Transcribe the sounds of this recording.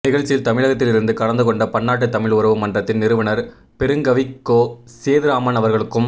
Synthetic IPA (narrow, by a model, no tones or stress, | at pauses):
nɪɣɐɻt͡ʃːɪjɪlt̪ɐmɪɻɐɣɐt̪ːɪlɪɾɯnd̪ɯkɐɽɐnd̪ɯkɔɳɖɐpɐnːaːʈ̬ːɯt̪ːɐmɪɭʋʊɾɐʋɐmɐndrɐt̪ːɪnnɪɾɯʋɐnɐɾ | pɛɾɯŋɡɐʋɪkːoː | seːðɪɾaːmɐnɐʋɐɾɣɐɭɯkːɯm